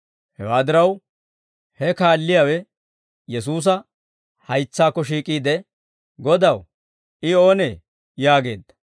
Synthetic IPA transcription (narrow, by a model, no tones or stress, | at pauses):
hɛwaːd̪ɪɾɐw | hɛkaːlːɪjawɛ | jɛs̬uːs̬ɐ | hɐjt͡sːaːkːɔʃ̬iːkʼiːd̪ɛ | ɡɔd̪ɐw | ɪo̞ːneː | jaːɡe̞̰ːd̪ːɐ̥